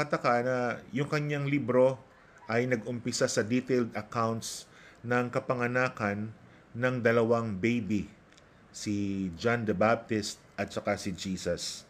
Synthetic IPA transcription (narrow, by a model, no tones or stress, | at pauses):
kɐt̪ɐkaʔnɐjʊŋkɐɲaŋlibɾo̞ | ʔɐjnɐɡʊmpɪsasɐd̪it̪eld̪ɐkawnt̪s | nɐŋkɐpɐŋɐnaːkɐnː | ɐŋd̪ɐlɐwaŋbejbi | sɪd͡ʒand̪ɐbap̚t̪ɪst̪̚ʔɐt̪̚t͡ʃɐkasɪd͡ʒiːsɐs